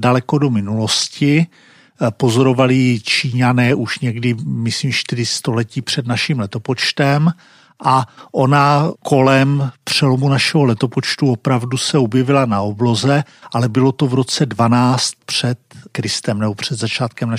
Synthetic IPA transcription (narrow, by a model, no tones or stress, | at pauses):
dalɛko̞do̞mɪnulo̞scɪ | pozoɾo̞valɪt͡ʃiːɲanɛːʔuʃɲɛɡdɪmɪsliːmʃt̪ɪɾɪst̪o̞lɛciːpr̝̥ɛdnaʃimlɛt̪o̞po̞t͡ʃt̪ɛm | ʔaʔo̞nakʰo̞lɛmpr̝̥ɛlo̞munaʃɛɦolɛt̪o̞pot͡ʃt̪uopɾavdusɛobjɛvɪlanaoblo̞zɛʔalɛbɪlo̞t̪ovɾo̞t͡sɛdvanaːt͡st̪̚pr̥ɛt̪kɾɪst̪ɛmnɛbo̞pr̝̥ɛd̪zat͡ʃaːt̪kɛmna